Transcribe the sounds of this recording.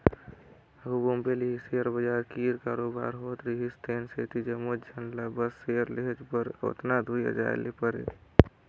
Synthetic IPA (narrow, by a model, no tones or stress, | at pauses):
ɦubombeliɦiseəɾbəd͡ʒaːɾkiːɾkaːɾoːba̰ːɾɦoːt̪ɾiɦist̪eːnseːt̪id͡ʒəmod͡ʒʱənlabəsːeəɾleɦed͡ʒpəɾo̰t̪nad̪ʱuja̰d͡ʒa̰ːḛlipəɾḛ